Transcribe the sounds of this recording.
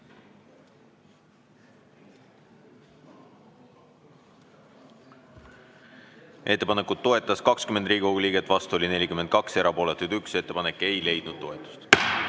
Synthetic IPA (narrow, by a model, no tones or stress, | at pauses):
ʔe̞t̪ːepɑne̞kːˑud̪̥̚t̪ːo̞e̞t̪ːˑɑskɑkskymend̪riːɡioɡuliːɡ̥et̪ːˑvɑst̪uo̞lʲine̞lʲikymen̚kɑkse̞ɾʔɑpoːlet̪ːˑud̪ykse̞t̪ːe̞pɑne̞kːˑe̞jle̞jd̪̥nud̪̥̚t̪ːo̞e̞t̪ːˑu̥st̪